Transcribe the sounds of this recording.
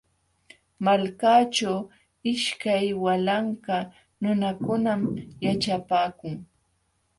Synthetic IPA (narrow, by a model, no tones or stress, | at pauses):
malkaːt͡ʃaw | ɪʃkajwalaɴka | nʊnakʊnamjat͡ʃapaːkʊŋ